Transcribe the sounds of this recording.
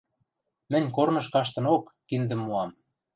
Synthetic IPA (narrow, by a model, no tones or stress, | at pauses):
mɘ̆nʲkornɤ̆ʃkɑʃt̪ɤ̆nokːind̪ə̆mːuɑm